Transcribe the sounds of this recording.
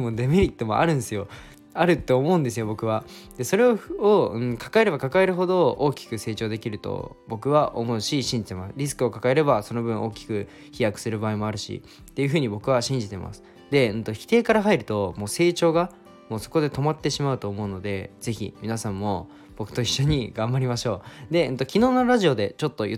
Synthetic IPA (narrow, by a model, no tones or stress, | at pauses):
mod̪emʲiɾʲit̪ːo̞mo̞̰ʔa̰ɾɯ̟̃nd̪esɨjo̞ | aɾɯ̟t̪ːo̞ːmo̞ɯ̃nd̪e̞sɨjo̞bo̞kɯ̟βad̪e̞so̞ɾe̞ooɯ̟̃ɴkʰḁkae̞ɾe̞bakakae̞ɾɯ̟ɦo̞d̪o̞oːkʲi̥kɯ̟se̞ːt͡ɕo̞ːd̪e̞kʲiɾɯ̟t̪o̰ | bo̞kɯ̟βaʔomo̞ɯ̟ɕiɕĩɲ̟d͡ʑi̥t̪emasɨ̥ɾʲisɨ̥kɯ̟o̞kakae̞ɾe̞baso̞no̞bɯ̟̃ɰ̃ʔo̞ːkʲi̥kɯ̟ | çijakɯ̟̥sɨɾɯ̟baːimo̞aɾɯ̟ɕḭ | t̪ːe̞jɯ̟ɦɯ̟ːɲ̟ibo̞kɯ̟βaɕĩɲ̟d͡ʑit̪e̞mʔa̰sɨ̥ | d̪e̞ɯ̟̃nt̪o̞çi̥t̪e̞ːkaɾaɦaiɾɯ̟t̪o̞mo̞ːse̞ːt͡ɕo̞ːɡa | mo̞ːso̞̥ko̞d̪e̞t̪o̞mat̪ːe̞ɕimaɯ̟t̪o̞ːmo̞ɯ̟no̞d̪e̞z̥e̞çḭmʲinasãmːo̞ | b̥o̞kɯ̟̥t̪oiɕːo̞ɲ̟iɡãmbaɾʲimaɕo̞ːd̪e̞ɯ̟̃t̪o̞kʲino̞ːnoɾaʑio̞d̪e̞t͡ɕo̞t̪ːo̞j̰